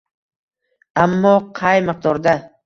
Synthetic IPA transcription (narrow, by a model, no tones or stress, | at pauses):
amːɒqʰɑjmɨq̚d̪ɒɾd̪a